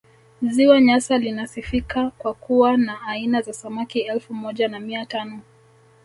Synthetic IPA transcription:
ziwaɲasalinasifikakwakuwanaːinazasamakiɛlfumɔʄanamiatanɔ

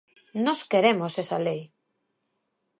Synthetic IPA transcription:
nɔskeɾemosesalej

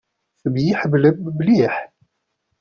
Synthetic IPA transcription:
θbjiħəbləbːliħ

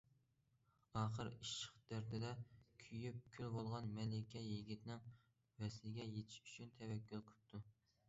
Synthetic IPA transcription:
ɑːχəɾiʃə̥χd̪æɾt̪ʰɪd̪ɛkʲʰyjyp̚kʲʰylbolˠʁɑnmɛlɪkʲɛjeɡʲit̪ʰnɪŋ | vɛslɪɡʲɛjet̪ʰɪ̥ʃy̥t͡ʃʰynt̪ʰɛwɛkʲʰːylˠqʰə̥p̚t̪ʰu

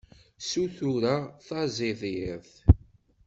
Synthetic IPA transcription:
suθuɾaθɑzɪðjɪɾθ

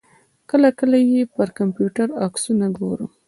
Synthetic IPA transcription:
kəlakəlajepəɾkampjuʈaɾɑksunaɡoɾṵ

